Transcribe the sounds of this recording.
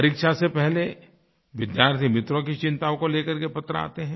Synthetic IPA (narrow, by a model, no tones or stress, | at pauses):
ɐɾikʃasepɛɦle | ʋɪd̪jaːɾt̪ʰimɪt̪ɾõkit͡ʃɪ̃nt̪aːõkoleːkɐɾkepɐt̪ːɾəa̰ːt̪eɦɛ̃ː